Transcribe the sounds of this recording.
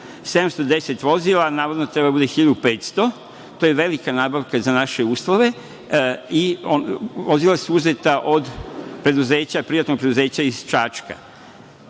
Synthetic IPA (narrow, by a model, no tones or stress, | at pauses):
se̞d̪amst̪o̞d̪e̞set̪ʋo̞zilˠanaːʋod̪not̪ɾe̞babud̪e̞xiʎad̪upeːt̪st̪o̞ | t̪ojeʋe̞likanaːbaʋkazanaʃeuːslˠoʋe̞ | ioʋozilˠasuuzet̪aʔo̞d̪pɾe̞d̪uze̞ːt͡ɕapɾijat̪no̞ɡ̚pɾed̪uze̞ːt͡ɕaiz̥t͡ʃaːt͡ʃka̰